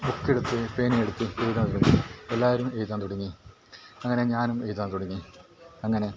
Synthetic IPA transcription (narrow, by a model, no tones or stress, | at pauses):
bukːiɽut̪ːɨpe̞ːnijeɽut̪ːɨejt̪aːnt̪uɽɐŋːielːaːʋɐɾume̞jt̪aːnt̪uɽɐŋːi | ɐŋːɐne̞ɲaːnume̞jt̪ːaːnt̪uɽɐŋːiɐŋːɐne̞